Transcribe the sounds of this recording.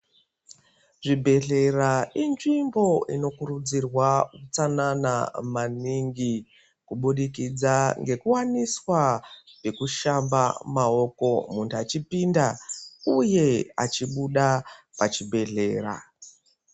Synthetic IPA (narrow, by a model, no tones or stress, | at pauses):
ʐibʱe̞ɮe̞rainʐimbo̞ʔino̞kurud͡zirwakut͡sanana̰maniŋɡi | kuɓuɗikid͡zaŋɡe̞kuwaniswape̞kuʃambamao̞ko̞muntuat͡ʃipindauje̞a̰t͡ʃiɓuɗapat͡ʃibʱe̞ɮe̞ːra̰